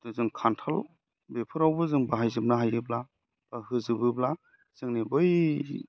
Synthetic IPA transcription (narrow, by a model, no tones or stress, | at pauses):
d̥ɯzɯŋkʰantʰal | bepʰɯɾawbɯzɯŋbaɦajzɯp̚naɦajɯbla | b̥ahɯzɯbɯbla | z̥ɯŋnibɔj